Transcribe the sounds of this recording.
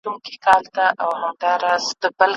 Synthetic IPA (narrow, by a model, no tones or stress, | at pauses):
uŋki̥kɑlt̪aʔawhamd̪ɑɾɑzd̪əbəl